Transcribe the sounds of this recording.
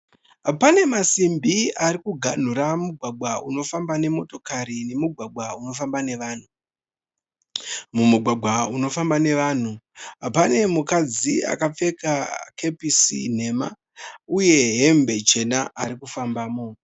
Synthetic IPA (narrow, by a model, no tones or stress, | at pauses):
ɦapane̞masimbiaɾikuɡʱan̤uɾamuɡʱwaɡ͡bwauno̞fambane̞mo̞to̞kaɾine̞muɡʱwaɡʱwauno̞fambane̞ʋaːn̤u | mumuɡʱwaɡʱwauno̞fambane̞ʋaːn̤uɦapane̞mukad͡zia̰kap͡fe̞kakʰe̞pisḭn̤e̞ma̰ | uje̞ɦe̞mbe̞t͡ʃe̞naaɾikufambaːmo